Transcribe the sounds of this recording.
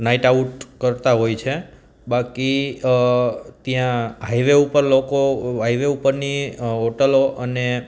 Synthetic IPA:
naiʈauʈkəɾt̪aɦojt͡ʃʰe | baki | t̪jãɦaiʋeupəɾlokoɦaiʋeupəɾniɦoʈəloʔəne

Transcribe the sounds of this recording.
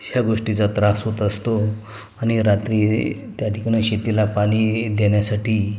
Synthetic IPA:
hjaɡoʂʈit͡sat̪ɾasɦot̪əst̪o | aɽ̃iɾat̪ɾiːt̪jaʈʰikaɽ̃eɕet̪ilapaliːd̪eɳjasaʈiː

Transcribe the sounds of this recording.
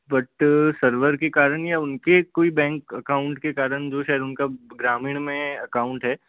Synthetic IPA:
bɐʈsɐɾʋəɾkekaːɾəɽ̃jaʊnkekoːibɛ̃ːŋkɐkaːʊ̃ɳʈkekaːɾəɽ̃d͡ʒoːʃaːjəd̪ʊnkaɡɾaːmiːɽ̃mẽɐkaːʊ̃ɳʈɦɛː

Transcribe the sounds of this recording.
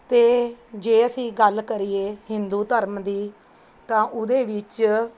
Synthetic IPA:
t̪eːd͡ʒeːəsĩːɡəlkəɾiːeːhɪnd̪uːt̪əɾmd̪iː | t̪ãːʔʊd̪eːʋɪt͡ʃ

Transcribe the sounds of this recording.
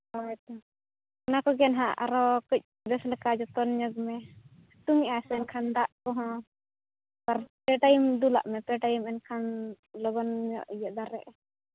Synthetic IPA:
ɔɛt̪ɔ | nakɔɡɛnɦãa̰ɾɔkəc̚ˀ | b̪ɛslɛkad͡ʒɔt̪ɔnɲɔɡmɛ | t̪umiasɛnkʰand̪aʔkɔɦɔ̃ | paɾpɛʈajimd̪ula̰ʔmɛpɛʈajimɛnkʰan | lɔɡɔnmɔ̰ʔijaʔd̪aɾɛ̰ʔ

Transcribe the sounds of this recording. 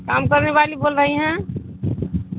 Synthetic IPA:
kamkəɾneβalibolɾəɦiɦɛ̃

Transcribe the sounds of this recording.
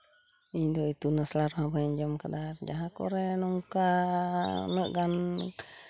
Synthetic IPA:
iɲdɔit̪unaslaɾɔhabaiɲd͡ʒɔmkadard͡ʒaɦakɔ̰ɾɛnɔŋka | nəʔɡan

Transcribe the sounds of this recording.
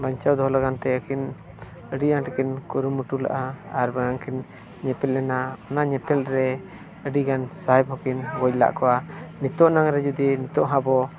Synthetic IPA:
baɲt͡ʃawd̪ɔɦlaɡant̪ɛəkʰin | əɖiaŋʈəkinkuɾumuʈula̰ʔaːɾbanaŋkʰin | ɲɛpɛlɛnaɔnaɲɛpɛlɾɛ | əɖiɡansaɦɛb̚ɦɔkinɡɔcla̰ʔkɔwanit̪ɔʔnaŋɾɛd͡ʒud̪init̪ɔʔɦãbɔ

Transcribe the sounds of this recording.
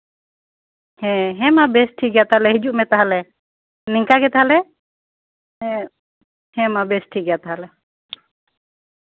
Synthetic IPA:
hɛ̃ɦɛmabɛsʈʰiɡɛjat̪aalɛɦid͡ʒuʔmɛt̪aɦalɛ | niŋkaɡɛt̪aɦalɛ | ɛ | hɛ̃mabɛsʈʰiɡɛjat̪aɦalɛ

